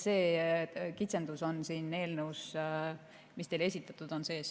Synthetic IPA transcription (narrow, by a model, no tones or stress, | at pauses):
se̞ːkit̪se̞nd̪̥uso̞nsiːnːe̞ːlneus | mist̪e̞jle̞sit̪ːˑɑt̪ːˑud̪̥o̞nse̞ːs